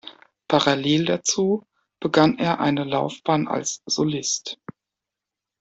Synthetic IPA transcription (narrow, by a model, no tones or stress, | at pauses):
pʰaʁaleːldat͡suː | b̥əɡaneːɐʔa̰ɪnəlaʊfb̥aːna̰lsz̥olɪst